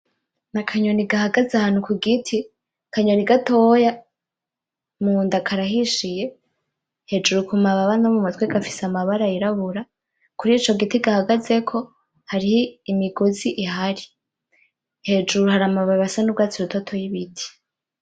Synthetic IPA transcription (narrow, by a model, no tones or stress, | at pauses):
nakʰaɲo̞niɡahaɡazeahaːn̥ukuɡitʰi | kʰaɲoniɡatoja | muːndakʰaɾaɦiʃije̞ | he̞d͡ʒuɾukumaβaβanaβumatweɡafisamaβaɾaiɾaβuɾa | kuɾiːt͡ʃo̞ɡitiɡahaɡaze̞kʰo̞ | haɾiimiɡoziʔiɦaɾi | he̞d͡ʒuɾuhaɾamaβaβasanubɡaːt͡siɾutotʰojiβitʰi̥